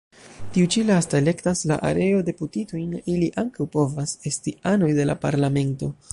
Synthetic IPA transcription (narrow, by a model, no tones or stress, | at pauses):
tiut͡ʃilastaele̞ktasla̰ʔa̰ɾe̞o̞de̞putito̞jniliʔaŋkawpo̞vase̞stiano̞jde̞la̰paɾlame̞nto̞